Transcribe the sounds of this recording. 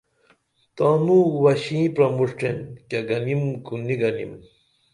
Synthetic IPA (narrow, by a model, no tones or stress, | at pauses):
t̪anuwɐɕĩpɾɐmuʂʈenkɐɡɐnimɡuniɡɐnḭm